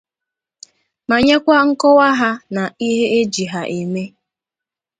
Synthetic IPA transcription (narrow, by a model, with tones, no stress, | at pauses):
ma˨ɲe˦kʷa˦ŋ̩˦kɔ˦wa˦ɦa˦na˨i˦ɦe˦e˦d͡ʒi˨ɦa˨ʔe˨me˦